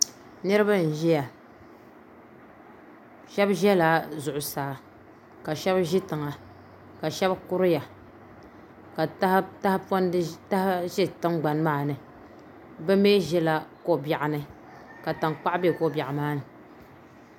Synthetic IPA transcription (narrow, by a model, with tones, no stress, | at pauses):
nɨ˦ɾɨ˦ba˦n̩˨ʒɛ˦ja˨ | ʃɛ˦bʒɛ˦la˨zʊ˨ʔʊ˨saː˨ | ka˨ʃɛ˦bʒi˦tɨ˨ŋa˨ | ka˨ʃɛ˦bkʊ˦ɾɨ˦ja˨ | ka˨˦ta˦hpɔ˦n˦ta˦hʒi˦tɨ˦ŋɡ͡ba˨n˦maː˦nɨ˨ | bɛ˦meː˦ʒɛ˦la˨ko˦˨ba˨ʔa˨nɨ˦ | ka˨ta˨ŋk͡pa˦ʔbe˦ko˦˨bja˨ʔa˨maː˦nɨ˨